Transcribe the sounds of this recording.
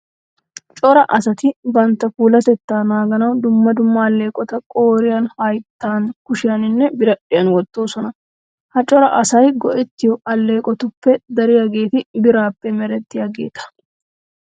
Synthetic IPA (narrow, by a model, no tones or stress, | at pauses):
t͡ʃʼɔɾɐʔɐsɐt̪ɪbɐnt̪ːɐfuːlɐt̪ɛt̪ːaːnaːɡɐnɐwd̪ʊmːɐd̪ʊmːɐːlːe̞ːkʼɔt̪ɐkʼoːɾɪjɐnhɐjt̪ːaːnkʊʃɪjɐnɪnːɛbɪɾɐɗɪjɐnwɔt̪ːoːsɔnɐ | hɐt͡ʃʼɔɾɐʔɐsɐjɡɔʔɛt̪ːɪjɔɐlːe̞ːkʼɔt̪ʊpːɛd̪ɐɾɪjaɡe̞ːt̪ɪbɪɾaːpːɛmɛɾɛt̪ːɪjaɡḛːt̪ʰɐ̥